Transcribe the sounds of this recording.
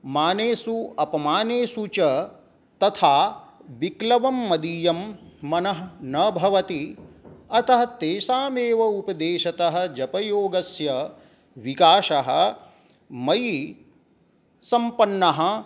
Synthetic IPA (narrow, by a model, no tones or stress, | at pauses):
maːneːsuɐpɐmaːneːsut͡ʃɐ | t̪ɐt̪ʰaːʋiklɐʋɐmːɐd̪iːjɐmːɐnɐɦnɐbʱɐʋɐt̪i | ɐt̪ɐɦɐt̪eːʃaːmeːʋɐupɐd̪eːʃɐt̪ɐɦɐ̆d͡ʒɐpɐjoːɡɐsjɐ | ʋikaːʃɐɦɐ̰ | mɐj | sɐmpɐnːɐɦɐ̆